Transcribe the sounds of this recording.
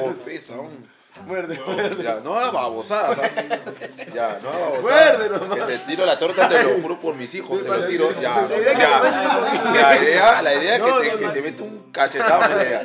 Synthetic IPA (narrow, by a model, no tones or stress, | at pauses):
opesauŋ | eɾed͡ʒanoaβaβosaðasa | janoaβaβosaeɾðeot̪et̪iɾolat̪oɾt̪at̪elokuɾopoɾmisixoseat̪iɾojaaiðeaeamat͡ʃet̪aoaðealaiðeaeeket̪emet̪euŋkat͡ʃeaea